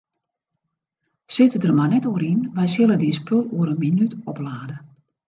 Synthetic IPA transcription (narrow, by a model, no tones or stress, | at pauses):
sɪtədərmanɛtoəɾinʋɛjsɪlˠədispʰølˠuəɾənminytɔplaːdə